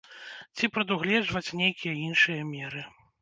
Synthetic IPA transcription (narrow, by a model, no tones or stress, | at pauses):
t͡sʲipɾɐd̪uɣlʲɛd͡ʐvɐt͡sʲnʲejkʲijɐinʂɨjɐmʲɛɾɨ